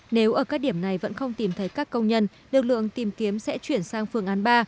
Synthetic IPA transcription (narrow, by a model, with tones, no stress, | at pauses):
ne˨˦wʔəː˧˩kaː˦˥k̚ɗi˧˩əmna˨˩jvə̰˧˥nxə˧wŋ͡mt̪i˨˩mt̪ʰə˨˦jkaː˦˥kːə˧wŋ͡mɲə˧n | lɨ˨˩k̚lɨ̰˧˨əŋt̪i˨˩mki˨˦əmsɛ̰˧˥t͡ɕwi˧˩ənsaː˧ŋfɨ˧əŋʔaː˨˦nɓaː˧